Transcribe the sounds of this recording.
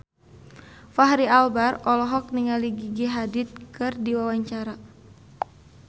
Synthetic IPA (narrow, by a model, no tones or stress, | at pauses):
faɦɾialbarɔlɔɦɔk̚niŋaliɡiɡiɦadɪt̪̚kɨrdiwawaɲt͡ʃaɾa